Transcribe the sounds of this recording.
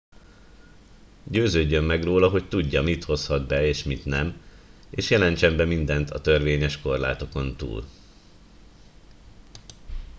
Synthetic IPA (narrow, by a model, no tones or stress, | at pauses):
ɟøːzøːɟːømːɛɡroːlɒɦo̞ct̪uɟːɒmit̪ho̞shɒd̪̚bɛeːʃmit̪nɛmeːʃjɛlɛnt͡ʃɛmbɛmind̪ɛnt̪ʰɒt̪ø̞rʋeːɲɛʃko̞rla̰ːt̪o̞ko̞nt̪ṵːl